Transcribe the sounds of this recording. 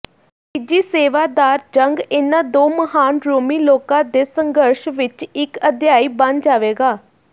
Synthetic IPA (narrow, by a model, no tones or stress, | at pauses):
pɪd͡ʒiːseːʋaːd̪aːɾd͡ʒəŋɡɪnãːd̪oːməɦaːnɾoːmiːloːkãːd̪eːsəŋɡəɾʃʋɪt͡ʃɪkəd̪jaːiːbə̃nd͡ʒaːʋeːɡaː